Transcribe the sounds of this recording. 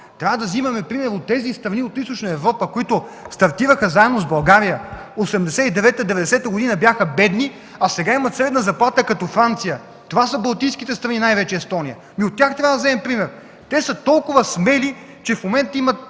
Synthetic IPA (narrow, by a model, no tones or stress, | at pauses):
t̪ɾʲavəd̪ɐzimɐmɛpɾimɛɾot̪ːɛzist̪ɾɐniot̪ist̪ot͡ʃnəɛvɾɔpəkʊit̪ʊst̪ɐɾt̪ivəxəzaɛnozbɐlˠɡaɾijəosɛmd̪ɛsɛid̪ɛvɛt̪əd̪ɛvɛd̪ɛsɛt̪əɡʊd̪inɐbjaxəbɛd̪ni | asɛɡaimɐt̪sɾɛd̪nɐzɐplˠat̪əkɐt̪ɔfɾant̪sijə | t̪ovasəbɐlˠt̪ijskit̪ɛst̪ɾɐninajvɛt͡ʃɛɛst̪ɔnijə | miot̪ːʲaxt̪ɾʲavəd̪ɐzɛɛmpɾimɛɾ | t̪ɛsət̪ɔlˠkʊvɐsmɛli | t͡ʃɛfmomɛnt̪imɐt̪̚